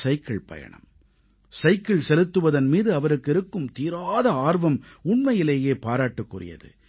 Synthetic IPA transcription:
sɐɪkːɐɭpɐ̰jɐ̰ɳɐ̰m | sɐɪkːɐɭsɛlɯt̪ːɯʋɐðɐnmiːðɯɐʋɐɾɯkːɪɾɯkːɯmt̪iːɾaːðɐaːrʋɐmʊɳmɐjɪleːjeːpaːɾaːʈːɯkːʊrɪ̰jɐ̰ðɯ̰

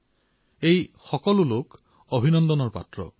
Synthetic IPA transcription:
ejxɔkɔlulok | obʱinɔnd̪ɔnɔɹpa̰tɹɔ̰

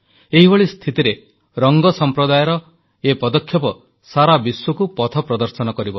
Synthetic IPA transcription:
eɦibɔɭist̪ʰit̪iɾe | ɾɔŋɡɔsɔmpɾɔd̪ajɔɾɔ | epɔd̪ɔkʰːjɔpɔ | saɾabiswukupɔt̪ʰɔpɾɔd̪ɔɾsɔnɔkɔɾibɔ

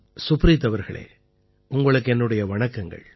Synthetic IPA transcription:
sʊpɾɪt̪ːɐʋɐɾɣɐ̰ɭḛː | ʊŋɡɐɭɯk̬ːɛnːɯɽɐjɐʋɐɳɐkːɐŋɡɐ̰ɭ

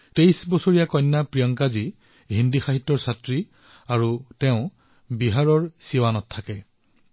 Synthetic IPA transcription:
tejsbɔsoɹijakɔjnːapɹijɔŋkazi | ɦindixaɦitːɔɹsatɹi | aɹutɛʊ̃ | biɦaɹɔɹsiwanɔtʰːakɛ

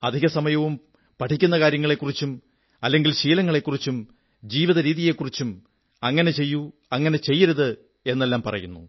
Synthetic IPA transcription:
ɐd̪ʱiɣɐsɐmɐjɐʋum | pɐʈʰikʲːunːɐkaːɾjɐŋːɐɭe̞kːurit͡ɕːum | ɐlːe̞ŋɡilɕiːlɐŋːɐɭe̞kːurit͡ɕːum | d͡ʑiːʋiðɐɾiːðije̞kːurit͡ɕːum | ɐŋːɐne̞t͡ɕe̞jːuɐŋːɐne̞t͡ɕe̞jːɐɾuðɨ | e̞nːe̞lːaːmpɐ̰rɐ̰junːṵ

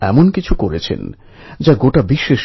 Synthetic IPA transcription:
ɛ̰monkit͡ɕʰukoɾet͡ɕʰḛn | d͡ʑaɡoʈabiʃːeʃ

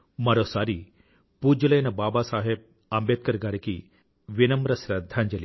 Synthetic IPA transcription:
mɐɾoːsaːɾi | puːd͡ʒɐlɐjnɐbaːbaːsaːɦeb̚ | ɐmbet̪̚kɐɾɡaːɾiki | ʋinɐmɾɐsɾɐd̪ʱːaːɲd͡ʒɐli

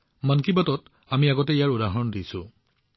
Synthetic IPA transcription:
mankibatɔt | amiaɡɔtɛijaɹudaɦɔndisʊ̰̃

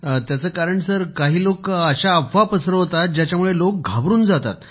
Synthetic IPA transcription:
t̪jat͡səːkaɾəɳsəɾkaɦiːlokəɕaːbʱʋapəsɾəɦot̪at̪̚d͡ʑjat͡ɕjamuɭelok̚ɡʱabɾuːnd͡zat̪a̰t̪

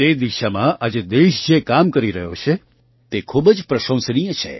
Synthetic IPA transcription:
t̪ed̪iʃamãʔad͡ʒed̪eʃd͡ʒekamkəɾiɾəɦjot͡ʃʰe | t̪ekʰubd͡ʒpɾəʃə̃w̃snijət͡ʃʰḛ

